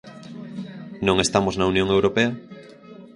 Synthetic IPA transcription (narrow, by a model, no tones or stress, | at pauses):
nõŋest̪amoznaunjõŋewɾopea